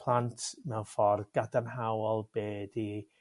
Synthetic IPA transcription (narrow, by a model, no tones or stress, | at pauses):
pʰlˠantʰnawfɔrɡ̥adanɦawɔlˠb̥eːdi